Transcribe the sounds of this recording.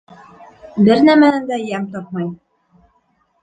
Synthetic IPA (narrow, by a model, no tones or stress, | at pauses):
bɘɾnæmænænd̪æjæmt̪ɑp̚mɑj